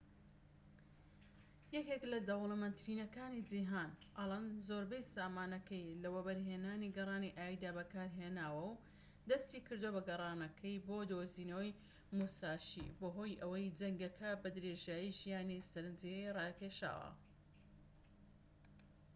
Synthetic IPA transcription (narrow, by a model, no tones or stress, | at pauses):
jɐkeklɐd̪ɐwlˠɨmɐnt̪ɾiːnɐkaːnid͡ʒiɦaːnʔɐlˠɐnzoɾbɐjsaːmaːnɐkɐjlɐwɐbɐɾɦeːnaːniɡɐrˤɑːniʔaːjid̪aːbɐkaːɾɦeːnaːwɐw | d̪ɐst̪ikɨɾd̪uwobɐɡɐrˤɑːnɐkʰɐjboːd̪oziːnɐwɐj | musaːʃḭboɦo̞ːjʔɐwɐjd͡zɐŋɡɐkʰɐbɐd̪ɾeʒaːjiʒijaːnisɐɾɨnd͡zirˤɑːkʰeʃa̰ːwɐ̰